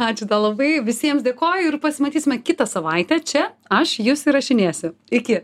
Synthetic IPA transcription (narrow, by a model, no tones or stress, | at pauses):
ɑːt͡ʃʲʊd̪ɐlˠɐbɐɪʋʲɪsʲiɛmsd̪ʲeːkoːjʊɪrpɐsʲɪmɐt̪ʲiːsʲɪmʲɛkʲɪt̪ɐsɐʋɐɪt̪ʲɛt͡ʃʲɛɐʃjʊsɪɾɐʃʲɪnʲeːsʲʊɪkʲɪ